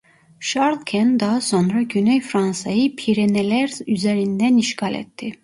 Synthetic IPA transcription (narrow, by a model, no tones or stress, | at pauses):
ʃaɾlˠcʲʰɛnd̪ɑɦaso̞nɾɑɟynɛjfɾansɑjɯpʰiɾenelʲæɾyzeɾind̪æniʃcʰalʲɛ̰t̪ʰːi